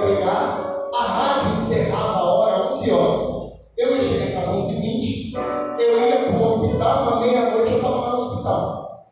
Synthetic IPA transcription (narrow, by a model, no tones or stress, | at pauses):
beɡaɐɦad͡ʒʊẽseɦavɐaɔɾɐanũsiɔzɐs | ewẽʃejẽkazõsiɡĩnt͡ʃɪ̥ewɛũospit̪awũmɐmejɐnojt͡ʃɪewfalãkanʊospit̪a̰w